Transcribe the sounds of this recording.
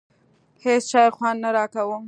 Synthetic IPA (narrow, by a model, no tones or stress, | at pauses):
hesʃɑjxwɑnnaɾɑkawəm